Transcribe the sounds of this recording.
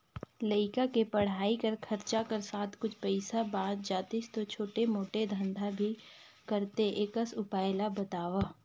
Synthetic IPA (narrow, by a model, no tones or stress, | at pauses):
ləɪkakepɐɽ̤aːikɐɾkʰɐɾt͡ʃakɐɾsaːt̪ʰkʊt͡ʃʰpɛɪsabãːd͡ʒaːt̪ɪst̪ot͡ʃʰoːʈemoːʈed̪ʱə̃nd̪ʱabʱi | kɐɾt̪eʔeːkəsʊpaːɪlabɐt̪aːʋaː